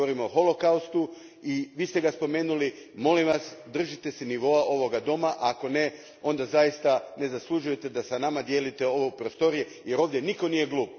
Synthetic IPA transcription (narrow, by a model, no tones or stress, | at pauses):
oɾimoxo̞lo̞kaust̪u | iʋiːst̪eɡaspo̞me̞ːnulimo̞limʋasd̪r̩ʒit̪e̞seniʋo̞aʔo̞ʋo̞ɡad̪o̞maʔako̞ne̞ | o̞nd̪azajist̪ane̞zaslˠuʒuje̞t̪e̞d̪asanamad̪je̞lit̪e̞o̞ʋopɾost̪o̞ɾijeje̞ɾo̞ːʋd̪je̞niko̞niːje̞ɡluːp